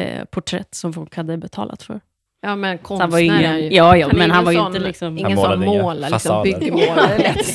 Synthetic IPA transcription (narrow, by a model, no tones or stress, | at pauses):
pʰʊʈʰɾɛ̰t̪ːsɔmfɔlkhad̪ːəbɛt̪ʰɑ̰ːla̰t̪fœ̰ɾ | mɛkʰanvaɾjəɪŋːənjɑːjɑːmɛnɦanvaɾjəɪnt̪əlɪksɔmɪsmoːllɪʏɡəoɛ